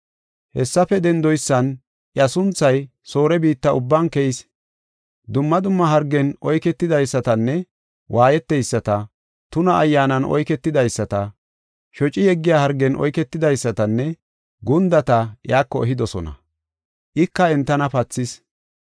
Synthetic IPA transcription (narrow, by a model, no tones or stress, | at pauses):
hɛsːɐfɛd̪ɛnd̪ɔjsːɐn | ʔjɐsʊnt͡sːɐj | so̞ːɾɛbiːt̪ːɐʊbːɐnkɛjs | d̪ʊmːɐd̪ʊmːɐɦɐɾɡːɛnɔjkɛt̪ːɪd̪ɐjsːɐt̪ɐnːɛ | wʔaːjɛt̪ːɛjsːɐt̪ɐ | t̪ʊnɐʔːjːaːnɐnʔɔ̰jkɛt̪ːɪd̪ɐjsːɐt̪ɐ | ʃɔt͡ʃʼɪjɛɡːɪjaːhɐɾɡːɛnʔɔ̰jkɛt̪ːɪd̪ɐjsːɐt̪ɐnːɛ | ɡʊnd̪ɐt̪ɐjaːkːɔɛɦɪd̪ɔsɔ̰nɐ̰ | ʔɪkːɐɛnt̪ːɐnɐpɐt͡sːɪs